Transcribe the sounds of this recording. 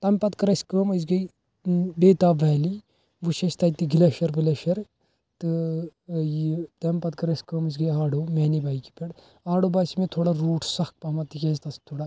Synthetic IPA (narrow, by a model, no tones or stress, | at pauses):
t̪ɐmpɐt̪kɐɾɐskəmɐzɡɐj | beːt̪aːʋɐːli | ʋuʃɐst̪ɐːjt̪iɡilɐʃɐɾbɐlɐʃɐɾ | t̪ɨ | jt̪ɐmpɐt̪̚kɐɾɐsʲkəːmɐzɡɐjaːɽomɛːnibaːiki̥pʲɐɽ | aːɽobaːsimẽt̪ʰoːɽaɾuːʈʰsɐx̚pɐmɐt̪ijeːzt̪ɐst̪ʰoːɽa